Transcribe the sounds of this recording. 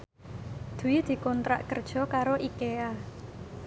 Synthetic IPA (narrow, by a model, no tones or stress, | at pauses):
d̪̥ṳwid̪̥i̤kɔnt̪ɾa̰ʔkərd̥ʒ̥ɔ̤kaɾoʔikea